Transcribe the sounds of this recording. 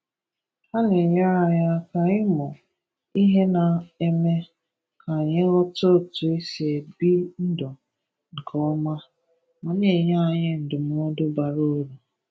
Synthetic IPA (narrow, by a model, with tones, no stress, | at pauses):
ha˦ne˨ɲa˦ɾa˨ja˦ka˨ɪ˦mɔ˨ | i˦ɦe˦na˨e˦me˦ | ka˨ɲe˦ɣɔ˦to˦˨tu˨e˦si˨e˨bi˦n̩˦dɔ˨ | ŋ̩˨kʰɔ˦ɔ˦ma˦ | mɔ˨ne˨ɲa˦˨ɲɪ˦n̩˨dʊ˨m˦ɔ˦dʊ˦ba˨ɾo˦ɾu˨